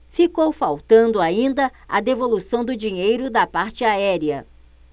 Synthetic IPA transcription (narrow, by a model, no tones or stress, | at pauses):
fikowfawt̪ɐ̃nd̪ʊaĩnd̪ɐɐd̪evolusɐ̃w̃d̪ʊd͡ʒĩɲejɾʊd̪ɐpaɾt͡ʃɪaɛɾiɐ